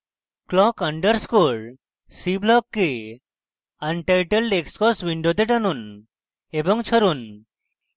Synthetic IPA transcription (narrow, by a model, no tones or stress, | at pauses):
klɔkəɳɖəɾskoɭ | siblɔkːe | anʈajʈelɖekskɔswiɳɖot̪eʈanun | ebɔŋt͡ɕʰɔɾun